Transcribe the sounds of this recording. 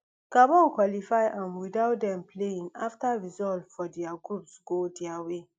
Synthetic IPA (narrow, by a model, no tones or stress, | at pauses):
kabɔ̃nkwalifaɪʔãmwidaʊt̚dɛ̃mpleĩnaftaɹizɔltfɔdɛaɡɹupsɡ̥odɛawe